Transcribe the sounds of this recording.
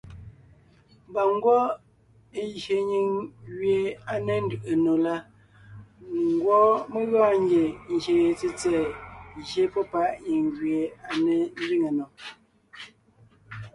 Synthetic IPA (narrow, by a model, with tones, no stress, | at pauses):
m˨ba˨ŋ˦ɡwɔ˦ | e˦ʒe˨ɲi˨ŋɣɥe˨a˨ne˦n̩˦dɯ˨ʔe˨no˨la˦ | ŋ˦ɡwɔ˦me˦ɣaː˦˨ŋ˦ɡje˨n̩˨ʒe˨je˨t͡si˦t͡sɛː˦˨ʒje˦pɔ˦pa˦ʔɲi˨ŋɣɥe˨a˨ne˦n̩˦di˦ŋe˨nɔ˨